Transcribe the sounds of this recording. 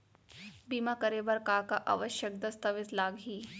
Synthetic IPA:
biːmakɐɾebɐɾkaːkaʔa̰ʋəʃjək̚d̪ɐst̪ɐʋɪt̪laːɡɦiː

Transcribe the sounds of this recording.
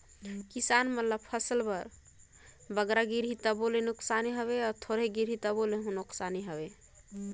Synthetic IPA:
kisanmət̪ləb̚pʰəsəlpəɾ | bəɡɾaɡiɾɦit̪əbolenuksaniɦəβeɔɾt̪ʰoɾeɡiɾ̤ɦit̪əboleɦunuksaniɦəbe

